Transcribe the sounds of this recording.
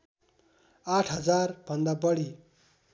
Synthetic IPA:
aʈʰɦʌd͡zarb̥ʱʌnd̪abʌɽi

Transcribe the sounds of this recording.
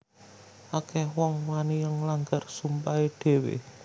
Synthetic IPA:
ʔakɛhwɔŋwanijaŋlaŋɡarsumpaeɖ̥e̤wḛ

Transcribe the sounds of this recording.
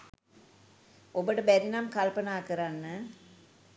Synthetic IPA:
obəʈəbɛɾinamkɐlpɐnaːkɐɾanːɨ

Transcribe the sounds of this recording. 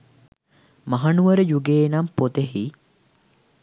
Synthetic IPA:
maɦanuʋəɾəjuɡeːnampot̪eɦi

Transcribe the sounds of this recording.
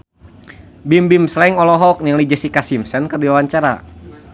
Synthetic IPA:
bimbimslɛiŋɔlɔɦɔk̚ɲaŋlid͡ʒəsikasimsənkərdiwawaɲt͡ʃaɾa̰

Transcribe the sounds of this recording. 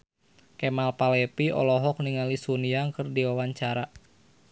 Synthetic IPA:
kɛmalpalɛpiɔ̰lɔɦɔk̚niŋalisuniaŋkɨrdiwawaɲt͡ʃaɾa

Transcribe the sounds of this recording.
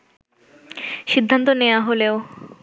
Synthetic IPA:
ʃid̪ʱːant̪oneaɦoleo

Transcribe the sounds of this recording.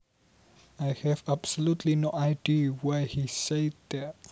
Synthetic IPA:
ajhɛvab̥səlutʰlinoajdiwɛhisedɛ

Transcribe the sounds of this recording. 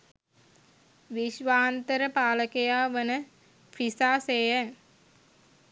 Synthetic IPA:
ʋiʃʋaːnt̪əɾəpaːləkejaːʋənə | fʰisaːsejə

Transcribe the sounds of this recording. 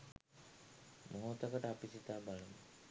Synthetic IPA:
mʔoɦot̪okəʈəapisit̪aːbalumə̰

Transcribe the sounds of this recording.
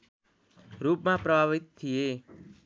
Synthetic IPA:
ɾuːp̚mapraʋit̪ʰːie

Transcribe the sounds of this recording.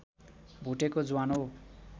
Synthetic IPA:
bʱuʈekod͡zuwano

